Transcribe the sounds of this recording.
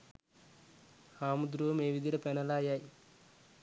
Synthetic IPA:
haːmud̪ɾumeːʋid̪iɾɐpɛnɐlaːjaːj

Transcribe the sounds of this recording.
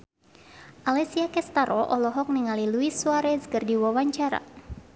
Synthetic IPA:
ʔalɛsiakɛst̪aɾʔɔʔɔlɔɦɔk̚niŋaliluisːuaɾɛzkɨrdiwawaɲt͡ʃaɾa̰

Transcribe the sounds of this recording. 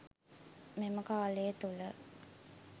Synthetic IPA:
meməkaːlejt̪ulə

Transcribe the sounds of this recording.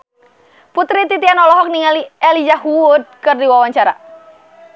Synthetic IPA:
put̪ɾit̪it̪ianɔlɔɦɔk̚niŋaliɛlid͡ʒaɦuud̪̚kɨrdiwawaɲt͡ʃaɾa̰

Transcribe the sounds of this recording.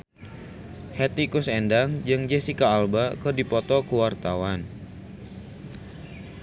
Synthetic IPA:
hɛt̪ikʊsɛndaŋd͡ʒɨŋd͡ʒesikaːlbakɨrdipɔt̪ɔkuwart̪awan

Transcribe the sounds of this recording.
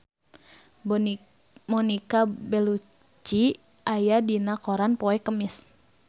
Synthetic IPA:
mɔnikabɛlu | t͡ʃi | ʔajadinakɔɾanpɔɛkəmis

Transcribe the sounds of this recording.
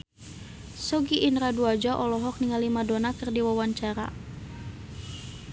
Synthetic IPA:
sɔɡiʔinɾaduad͡ʒaʔɔlɔɦɔk̚niŋalimadɔnakɨrdiwawaɲt͡ʃaɾa̰

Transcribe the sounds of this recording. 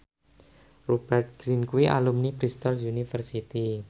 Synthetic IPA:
rub̥ɛrt̪̚ɡ̥ɾinkuwiʔa̰lumnipɾist̪ɔlunifərsit̪i

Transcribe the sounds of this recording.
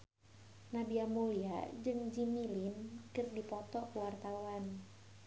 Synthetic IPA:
nabiamulia̰d͡ʒɨŋd͡ʒimilinkɨrdipɔt̪ɔkəwart̪auan

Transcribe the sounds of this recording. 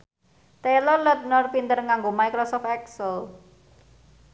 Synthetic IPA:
t̪elɔlɔt̪̚nɔrpint̪ərŋaŋɡomaijkɾɔsɔfɛksəl

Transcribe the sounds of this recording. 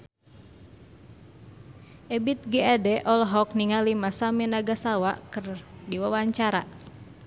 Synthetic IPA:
ʔɛbit̪̚ɡɛadɛʔɔlɦɔk̚niŋalimasamɛnaɡasawakərdiwawaɲt͡ʃaɾa

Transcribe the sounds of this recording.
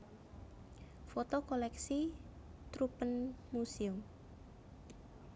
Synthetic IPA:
fot̪okolɛksi | t̪ɾupənmusiʊm

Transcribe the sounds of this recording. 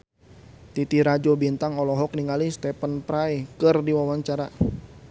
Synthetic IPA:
t̪it̪iɾad͡ʒɔbint̪aŋɔlɔɦɔk̚niŋalist̪ɛpənpɾaikɨrdiwawaɲt͡ʃaɾa

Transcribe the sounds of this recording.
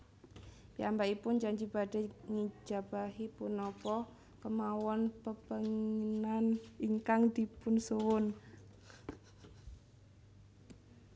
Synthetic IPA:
piambaipʊnd͡ʒaɲd͡ʒibade̤ŋi̥d͡ʒ̥a̤b̥aɦipunɔpɔ | kəmawɔnpəb̥əŋinaniŋkaŋd̪ipʊnsuwʊn

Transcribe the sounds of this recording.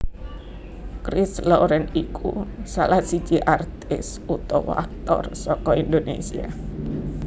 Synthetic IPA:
kɾɪsloɾɛnikʰusalahsit͡ʃiʔart̪ɪs | ut̪ɔwa̰k̚t̪ɔ̰rsɔkɔind̪onḛsia̰

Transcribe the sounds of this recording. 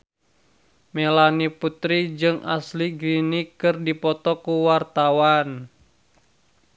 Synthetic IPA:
melaniput̪ɾid͡ʒɨŋʔa̰sliɡɾinikɨrdipɔt̪ɔkuwart̪awan

